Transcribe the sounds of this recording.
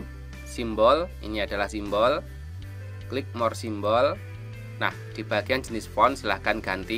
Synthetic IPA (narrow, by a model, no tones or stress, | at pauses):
simbɔlʔḭniad̥a̤lahsimbɔl | klɪk̚mɔrsimbɔl | na̰hd̪̥i̤b̥a̤ɡ̥ijand͡ʒənɪsfɔnsəlahkanɡ̥ant̪i